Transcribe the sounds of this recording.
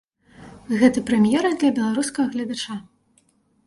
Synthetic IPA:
ɣɛt̪ɐpɾɛmʲjɛɾɐd̪lʲɐbʲɛlˠaɾuskɐɣɐɣlʲɐd̪at͡ʂa

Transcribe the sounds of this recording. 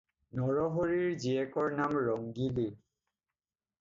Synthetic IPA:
nɔɹɔɦoɹiɹziɛkɔɹnamɹɔŋɡili

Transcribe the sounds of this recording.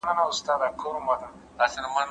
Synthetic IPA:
nanaust̪ad̪akʰoɾumbata | dasinman

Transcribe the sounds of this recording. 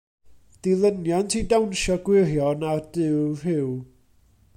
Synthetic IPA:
d̥ilˠənjantʰidawnʃɔɡ̥wɪrjɔnad̥ɪwr̥ɪw

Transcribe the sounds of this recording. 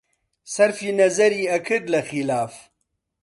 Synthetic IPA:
sɐɾfiːnɐzɐɾiːɐkʰɨd̪lɐxilaːf

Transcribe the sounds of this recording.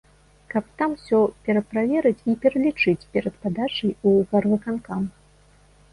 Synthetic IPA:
kɐp̚t̪amsʲɔpʲɛɾɐpɾavʲɛɾɨt͡sʲipʲɛɾɐlʲit͡ʂɨt͡sʲpʲɛɾɐt̪pad̪at͡ʂɐjuvɐrvɨkankam

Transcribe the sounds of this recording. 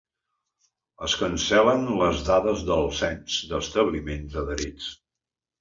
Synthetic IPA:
əskənsɛlənləzðaðəzðəlˠsɛnzd̪əst̪əβlimenzəðəɾit͡s

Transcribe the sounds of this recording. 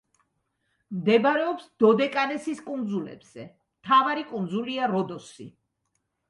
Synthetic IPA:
md̪ɛbaɾɛɔpsd̪̥ɔd̪ɛkʼanɛsiskʼund̪zulɛ̰b̥z̥ɛ | mt̪ʰavaɾikʼund̪zuliaɾɔd̪ɔsḭ

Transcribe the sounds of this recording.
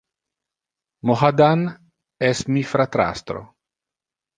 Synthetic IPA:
moɦad̪an | ɛsmifɾat̪ɾa̰st̪ɾo̰

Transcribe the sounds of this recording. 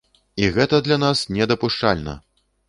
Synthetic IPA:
iɣɛt̪ɐd̪lʲanasnʲɛd̪ɐpuʂt͡ʂa̰lʲnɐ̰

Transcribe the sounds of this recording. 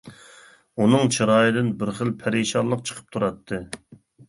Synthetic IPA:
unɨŋt͡ʃʰiɾɑːjɪd̪ɪnbɪɾχəlpʰæɾeʃɑlˠːəq̚t͡ʃʰə̥qʰə̥p̚t̪ʰuɾɑt̪ʰːɨ

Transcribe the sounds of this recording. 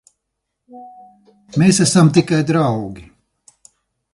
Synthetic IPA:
meːsæsamt̪ikajd̪ɾawɡʲi

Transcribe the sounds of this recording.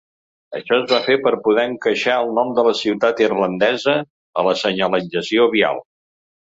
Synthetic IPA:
ə̰ʃɔəzβafepəɾpuðɛəŋkəʃaəlˠnɔmd̪ələsiwt̪at̪irlənd̪ɛzə | ələsəɲəlid͡ʒəsioβia̰lˠ

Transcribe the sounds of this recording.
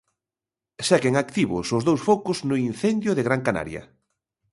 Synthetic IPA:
sɛɣeŋakt̪iβʊsʊzðowsfokʊznʊin̟θɛnd̪jʊðeɣɾaŋkana̰ɾjɐ̰

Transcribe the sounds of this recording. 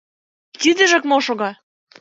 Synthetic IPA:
t̪id̪ə̆ʒə̆kmoʃoɣɑ

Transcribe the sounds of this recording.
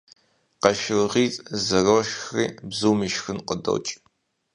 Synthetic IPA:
qɐʃɪʁiːt͡sʼzɐroʃxrḭːbzuːmiʃxɨnqədɐ̰wt͡ʃʼ

